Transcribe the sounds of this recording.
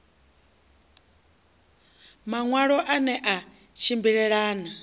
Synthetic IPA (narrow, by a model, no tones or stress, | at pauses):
maŋwaɺɔʔanɛʔa | ʃʰimbiɺɛɺaːna